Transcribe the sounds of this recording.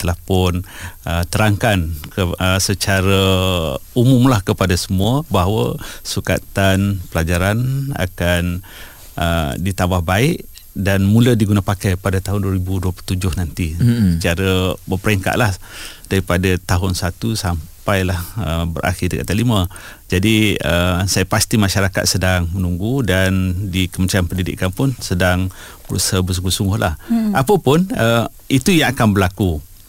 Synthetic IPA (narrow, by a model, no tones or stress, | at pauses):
t̪əlahpʊnət̪əɾaŋkankəəsət͡ʃaɾə | umʊmlahkəpadasəmuəbaɦwə̰suka̰t̪anpəlad͡ʒaɾana̰kan | ə̰dit̪abahbaɪʔ | danmulədiɡunapakajpadat̪aɦʊnduaɾibuduəplut̪ud͡ʒʊhnant̪iət͡ʃaɾəbəpəɾɛŋka̰ʔlahd̥aɾipadat̪aɦʊnsat̪usampajlahəbə̰ɾʔa̰xɪdəka̰ʔt̪alimə̃d͡ʒadiəsajapast̪imãʃaɾaka̰t̪̚sədaŋmənuŋɡudandikəmənt͡ʃɾanpəndidɪ̰ʔkːanpʊnsədaŋ | bəɾṵsabəs̬uŋɡusuŋɡʊhla̰hapəpʊnə | it̪ujaŋakanbəlaku